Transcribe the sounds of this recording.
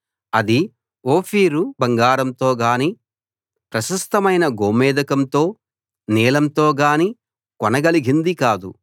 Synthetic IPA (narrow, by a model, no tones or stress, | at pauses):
ɐd̪i | oːpʰiːɾubɐŋɡaːɾɐmt̪o̞ːɡaːniː | pɾɐʃɐst̪ɐmɐjnɐɡoːmɛːd̪ɐkɐmt̪o̞ː | niːlɐmt̪o̞ːɡaːni | kɔnɐɡɐliɡʱind̪ikaːd̪ṵ